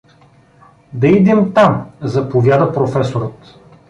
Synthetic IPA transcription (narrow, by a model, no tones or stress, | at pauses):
d̪ɐid̪ɛmt̪amzɐpovʲjad̪əpɾofɛsoɾət̪